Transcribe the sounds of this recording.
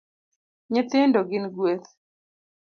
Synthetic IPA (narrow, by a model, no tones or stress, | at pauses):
ɲɪt̪ɪndoɡɪnɡwet̪